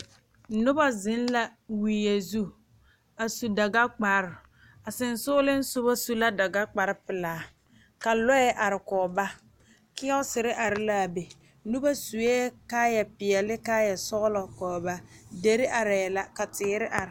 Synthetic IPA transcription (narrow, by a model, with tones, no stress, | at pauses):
nʊ˦ba˦zɪ˦nla˦wiː˨je˨zu˦ | a˨su˨da˨ɡa˦k͡pa˨ɾɪ˨ | a˨sɪ˨nsʊ˦ʊ˦lɪ˦n˦sʊ˦ba˦su˦la˦da˨ɡa˦k͡pa˨ɾɪ˦pɪ˨laː˨˦ | ka˨lɔ˦ɛ˦ʔa˨ɾɪ˨kɔː˨ba˦ | kɪ˦ɔ˦ʊ˦sɪ˨ɾɪ˦ʔa˨ɾɪ˦la˦˨be˨ | nʊ˦ba˦su˨eː˦kaː˦jɛ˨pɪ˨ɛ˨lɪ˦kaː˦jɛ˨sɔ˦ɣlɔ˨kɔː˨ba˦de˨ɾɪ˦ʔa˨ɾɪ˨jɛ˨la˦ka˨tɪː˨˦ɾɪ˦ʔa˨ɾɪ˨